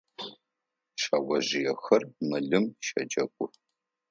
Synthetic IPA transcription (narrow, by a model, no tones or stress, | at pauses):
ʃawʷɐʑɪjɛxɐrmɨɮɨmʃɐd͡ʒɐkʷʼʊ